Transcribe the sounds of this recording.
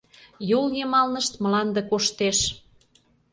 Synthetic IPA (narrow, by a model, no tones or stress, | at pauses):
joljemɑlnəʃt̪məlɑnd̪ekoʃt̪eʃ